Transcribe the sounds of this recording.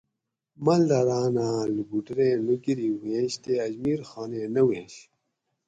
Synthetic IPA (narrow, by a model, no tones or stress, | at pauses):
mɐld̪ɐɾaːnãːlibuʈɾẽːnuɡiɾiwẽːɕt̪eɐd͡ʑmiːɾxaːnẽnɐwẽːɕ